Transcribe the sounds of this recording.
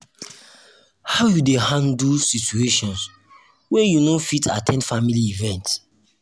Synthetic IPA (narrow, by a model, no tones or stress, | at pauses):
haʊjudehãndsitueʃɔ̃ns | wɛjunofitʰa̰tʰɛ̃ndfamiliivɛ̃nts